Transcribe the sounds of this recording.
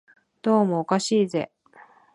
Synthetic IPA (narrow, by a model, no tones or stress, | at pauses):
d̪̥o̞ːmoːkaɕiːze̞̰